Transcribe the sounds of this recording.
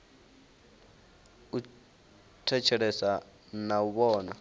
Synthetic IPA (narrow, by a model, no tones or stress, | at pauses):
u | tʰɛt͡ʃʰɛɺɛsa | nauβɔːna